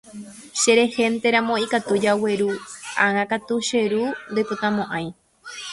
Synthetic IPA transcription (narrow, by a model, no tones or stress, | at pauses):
ʃeɾe̞he̞nt̪e̞ɾãmõ̞ikat̪ud͡ʒawe̞ɾuaŋãkat̪uʃe̞ɾund̪ojpɨt̪ãmõʔãj̃